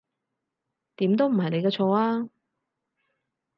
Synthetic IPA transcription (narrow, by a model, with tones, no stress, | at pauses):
t̪iː˨˥mt̪o˥wm̩˨˩ɦɐ˨jne˨˧jkɛː˧t͡ʃʰɔː˨˧aː˧